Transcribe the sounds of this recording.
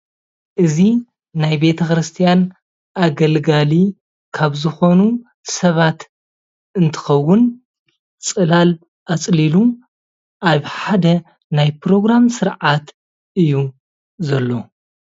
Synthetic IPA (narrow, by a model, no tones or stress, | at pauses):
ʔɨzi | najbe̞t̪ʰɐxɾɨst̪ʰijan | ʔaɡɐlɡali | kʰaβzɨxo̞nu | sɐβat̪ | ɨnt̪ʰɨ̥xɐwːʊn | t͡sʼɨlal | ʔat͡sʼlilu | ʔaβħad̪ɐ | najpɾo̞ɡɾamsɨɾʕat̪ | ʔɨjːu | zɐlːo̞